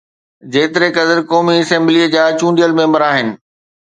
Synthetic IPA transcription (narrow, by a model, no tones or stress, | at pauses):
d͡ʑeːt̪ɪɾekɐd̪əɾkɔːmiɐsɛ̃mbliəd͡ʑaːt͡ɕũːɳɖijəlmẽːmbəɾaːɦɪnɪ̆